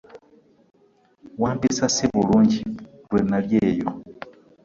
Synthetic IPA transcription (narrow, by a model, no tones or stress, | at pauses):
wambisasiβuluɲd͡ʒi | lwɛnaljɛːjɔ